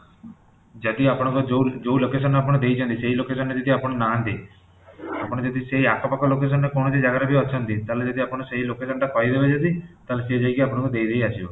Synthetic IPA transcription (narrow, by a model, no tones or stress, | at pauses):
d͡ʒɔd̪iapɔɽ̃ɔŋkud͡ʒod͡ʒowlokes̬ɔnːapɔɽ̃ɔd̪ejt͡ʃʰɔ̃nt̪iseɦilokesɔnːed͡ʒɔd̪iapɔɽ̃ɔnaant̪i | apɔɽ̃d͡ʒɔd̪iseɦiakʰɔpakɔlokes̬ɔnːekõɔt͡ʃed͡ʒaɡaɾabʱiɔt͡ʃʰɔnt̪it̪aɦled͡ʒɔd̪iapɔɽ̃ɔseɦilokesɔnʈakɔɦid̪ebet͡ʃʰɔt̪it̪aɦlesed͡ʒajkiapɔɽ̃ɔŋkud̪eid̪ejasʰibɔ